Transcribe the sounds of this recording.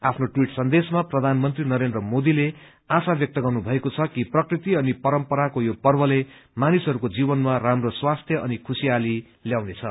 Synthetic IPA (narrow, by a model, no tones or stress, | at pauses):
apʰnoʈwiʈsʌnd̪esmaprʌd̪ʱanmʌnt̪rinʌɾend̪rʌmod̪ile | asabjʌk̚t̪ʌɡʌrnubʱʌekot͡sʰʌkiprʌkrit̪iʌnipʌɾʌmpʌɾakojopʌrbʌlemanisʌɾukod͡zibʌnmaramroswast̪ʰjʌʔʌnikʰusiali | ljawnet͡sʰʌ